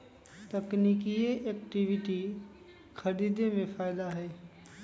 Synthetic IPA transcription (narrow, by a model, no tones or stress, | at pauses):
t̪ɐknikieʔeːkʈiʋɪʈi | kʰɐɾid̪emẽfaːɪd̪aɦɛː